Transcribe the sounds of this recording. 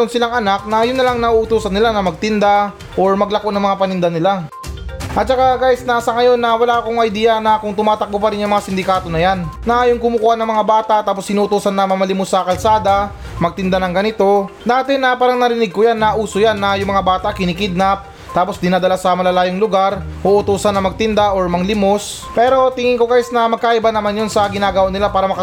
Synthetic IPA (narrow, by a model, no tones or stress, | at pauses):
onsɪlaŋɐnak̚nɐjʊnːɐlaŋnɐʔuʔʊt̪uːsɐnːɪlanɐmɐɡ̚t̪ɪnd̪a | ʔo̞ɹmɐɡlɐko̞ʔnɐŋmɐŋapɐnɪnd̪anɪla | ʔɐt̪̚t͡ʃɐkaɡaːjɪsnasɐŋɐjo̞nːɐwɐlaːʔɐkoŋɐjd̪iːjɐnɐkʊŋt̪ʊmaːt̪ɐk̚kopɐɾɪnjɐŋmɐŋasɪnd̪ɪkaːt̪o̞nɐjanːɐʔajʊŋkʊmʊkuːhanɐŋmɐŋabaːt̪aʔt̪aːp̬osʔɪnuːt̪uːsɐnːɐmɐmɐlimosɐkɐlsaːd̪ɐ | mɐɡ̚t̪ɪnd̪anɐŋɡɐnɪt̪o̞naːt̪ɪnɐpaːɾɐŋnɐɾɪnɪɡ̚kʊjanːɐʔuːsojanːɐjʊŋmɐŋabaːt̪akɪnɪkɪd̪̚nɐp̚ | t̪aːpo̞sd̪ɪnaːd̪ɐlasɐmɐlɐlaːjoŋlʊɡaɾ | oʔʊt̪uːsɐnːɐmɐɡ̚t̪ɪnd̪aʔoɹmɐŋlɪmos | pɛːɾo̞t̪ɪŋɪŋko̞ɡaːjsnɐmɐɡ̚kaʔɪbanːɐmanjonsɐɡɪnaːɡɐwanɪlapaːɾɐmɐkɐ